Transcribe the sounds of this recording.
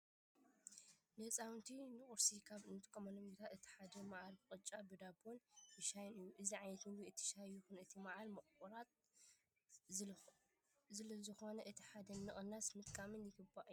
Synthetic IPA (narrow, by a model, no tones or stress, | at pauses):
nɐt͡sʼawnt̪ʰinɨχʼʊɾsikʰaβɨnɨt̪ʼkʼːomɐnomjot̪ʰat̪ɨt̪ʰi̥ħad̪ɐmaʕalbɨχʼɨt͡ʃʼːabɨd̪abʰonjɨʃajnɨjːuʔɨziʕajnɐt̪nɨwiɨt̪ʰi̥ʃajuxɨnɨt̪ʰimaʕalmɐχʼkʼuɾat̪̚ | zɨlɐzɨxo̞nɐʔɨt̪ʰi̥ħad̪ɐnmɨχʼɨnːasmɨt̪ʼkʼamɨnjɪɡɨbaʔjːu